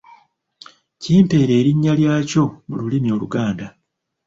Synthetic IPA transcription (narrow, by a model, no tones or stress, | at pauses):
ciːmpe̞ːɾe̞ːɾiɲːaljaːco̞mululimio̞ːluɡaːnda